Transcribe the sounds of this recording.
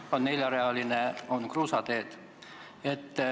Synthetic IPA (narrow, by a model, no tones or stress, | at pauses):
onneljɑɾeɑlineonkruːsɑt̪eːt̪ | et̪ː